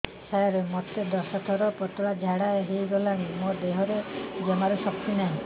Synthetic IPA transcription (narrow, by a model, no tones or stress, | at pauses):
sajɔɾemɔt̪ed̪ɔsɔt̪ʰɔɾɔpɔt̪uɭad͡ʒʱaɽaeɦejɡɔlañimod̪eɦɔɾed͡ʒemaɾuʃɔk̚t̪inaĩ